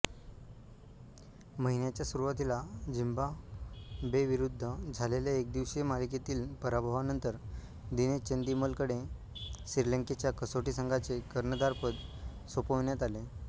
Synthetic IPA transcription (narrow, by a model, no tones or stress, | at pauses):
məɦinjat͡ɕjasuɾuʋat̪ilad͡ʑimbʱa | beʋiɾud̪ʱːəd͡zʱaleljaek̚d̪iʋɕemaliket̪iːlpəɾabʱaʋanənt̪əɾ | d̪inet͡ɕənd̪iməlkəɽe | siɾləŋket͡ɕjakəsoʈisəŋɡat͡sekəɾɳəd̪aɾpəd̪ | sopəʋɳjat̪ale